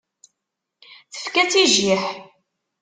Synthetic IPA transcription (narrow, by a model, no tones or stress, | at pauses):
θə̥fkæt͡siʒiħ